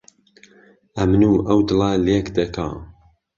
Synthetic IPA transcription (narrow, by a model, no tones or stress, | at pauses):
ʔɐmnuːʔɐwd̪ɨlalekd̪ɐkʰa̰ː